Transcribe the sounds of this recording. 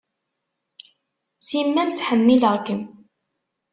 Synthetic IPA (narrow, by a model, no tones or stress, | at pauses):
t͡sːimːænt͡sːħəmːiləʁkəm